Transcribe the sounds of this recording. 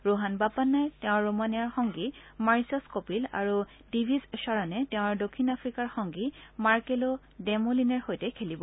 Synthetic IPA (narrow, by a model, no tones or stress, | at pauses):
ɹoɦanbapanːajtɛʊ̃ːomanijaɹxɔŋɡi | maɹisɔskopila̰ɹu | dibʱizʃaɹanɛtɛʊ̃ɹdokʰːinapfʰɹikaɹxɔŋɡimaɹkelo | dɛmolinɛɹhojtɛkʰelibɔ